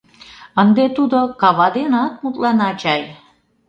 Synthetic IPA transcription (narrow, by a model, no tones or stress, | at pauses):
ənd̪et̪ud̪okɑβɑd̪enɑt̪̚mut̪lɑnɑt͡ɕɑj